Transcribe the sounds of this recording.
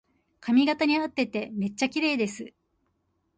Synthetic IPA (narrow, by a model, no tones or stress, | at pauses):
kʰamʲiɡat̪aɲ̟iat̪ːe̞t̪e̞me̞t͡ɕːakʲiɾe̞ːd̪e̞sɨ